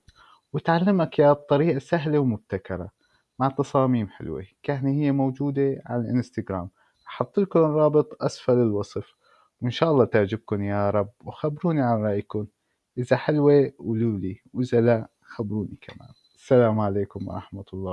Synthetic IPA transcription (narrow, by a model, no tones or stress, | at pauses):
wɪt̪ʕalːamakjat̪ˤːɑɾiːʔasaɦlewmʊb̚t̪akɑɾˤɑ̰ | maʕt̪ːɑsˤɑːmiːmħɪ̰lwḛkaːnihɪjːamowd͡ʒuːd̪eʕa̰lalʔɪnst̪aɡɾaːm | ʔɑħɑt̪ˤːɨlkʊnrˤːɑːbɨt̪ˤʔasfɑlɪlwɑsˤf | wɪnʃaːʔɑlˤːɑːt̪aʕd͡ʒɪb̚kʊnjaɾˤɑbwxabɾuːniʕanɾˤɑːʔjkʊn | ʔɪzaħɪlwewluːliwʔɪzala | xabɾuːnikʰama̰ːn | asːalaːmʕaleːkʊmwɑ̰ɾˤɑ̰ħmat̪ʊlˤːɑː